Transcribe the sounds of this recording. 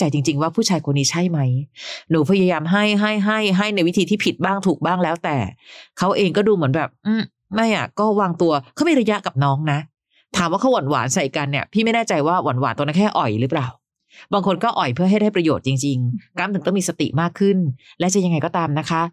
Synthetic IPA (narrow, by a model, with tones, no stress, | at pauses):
t͡ɕa˧jt͡ɕi˧ŋt͡ɕi˧ŋwaː˥˩pʰuː˥˩t͡ɕʰaː˧jkʰo˧nːiː˦˥t͡ɕʰa˥˩jma˦˥jnuː˨˦pʰa˧ja˧jaː˧mɦa˥˩jɦa˥˩jɦa˥˩jɦa˥˩jna˧jwi˦˥t̪ʰiː˧t̪ʰiː˥˩pʰi˨˩t̪̚baː˥˩ŋt̪ʰuː˨˩k̚baː˥˩ŋlɛː˦˥wt̪ɛː˨˩kʰa˦˥wʔeː˧ŋkɔː˥˩duː˧mɯ˩˦ənbɛː˨˩p̚m̩ː˧˩ | ma˥˩jʔa̰˨˩kɔː˥˩waː˧ŋt̪u˧ɐkʰa˦˥wmi˧ɾa˧ja˦˥ʔka˨˩p̚nɔː˦˥ŋna˦˥ʔ | t̪ʰaː˨˦mwaː˥˩a˦˥wa˨˩˦nwa̰ː˩˦nsa˨˩i˨˩ka˧nːi˥˩ɐpʰiː˥˩ma˥˩jnaː˥˩t͡ɕa˧jwaː˥˩wa˨˩˦nwaː˩˦nt̪u˧na˦˥kʰɛː˥˩ʔɔ˨˩jɾɯ˦˥plaː˨˩w | baː˧ŋkʰo˧nkɔː˥˩ʔɔ˨˩jpʰɯ˥˩ɐɦa˥˩jda˥˩pɾa˧joː˨˩t̪̚t͡ɕi˧ŋt͡ɕi˧ŋka˦˥mt̪ɯ˨˩˦ŋmiː˧sa˧t̪ḭ˨˩ʔmaː˥˩kʰːɯ˥˩nlɛ˦˥t͡ɕa˨˩ja˧ŋːa˧jkɔː˥˩t̪aː˧mna˦˥kʰa˦˥ʔ